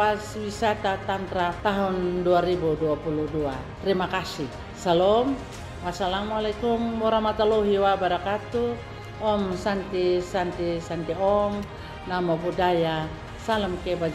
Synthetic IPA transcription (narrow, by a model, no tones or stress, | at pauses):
aswisat̪at̪ant̪ɾat̪aɦunduaɾibuduapuluduat̪ɾimakasi | salɔm | wasalamalakumbɔɾamat̪alɔɦiwabaɾakat̪u | ɔmsant̪isant̪isant̪iɔm | namɔpudaja | salɔmkɛba